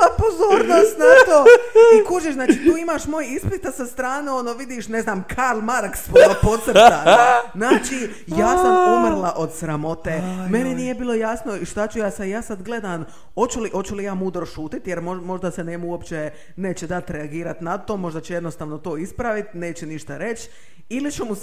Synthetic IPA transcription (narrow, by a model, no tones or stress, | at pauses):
apozoːɾnoːst̪nat̪oːikuːʒiʃznaːt͡ʃit̪uːimaʃmojispit̪asast̪ɾaːneo̞noʋid̪iʃne̞znaːmkʰaɾlmaɾkspoopo̞t̪sɾaznaːt͡ʃi | jaːsampomrɾlˠaʔo̞d̪sɾamo̞t̪eːme̞ninije̞biːlˠo̞jasno̞iʃt̪at͡ɕujaːsajaːsad̪ɡle̞d̪an | o̞t͡ʃuliʔo̞t͡ɕulijaːmuːd̪ɾo̞ʃuːt̪it̪jeɾmomo̞ʒd̪asenemuopt͡ʃe | neːt͡ɕed̪at̪ɾeaɡiːɾat̪nat̪omo̞ʒd̪at͡ɕeje̞d̪nost̪aːʋno̞t̪oːispɾaʋit̪ne̞ːt͡ɕeniʃt̪aɾe̞t͡ʃ | ilit͡ʃumu